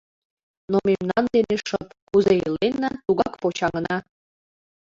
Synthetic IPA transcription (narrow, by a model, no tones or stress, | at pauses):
nomemnɑnd̪eneʃəpkuzeilenːɑt̪uɣɑkpot͡ɕɑŋənɑ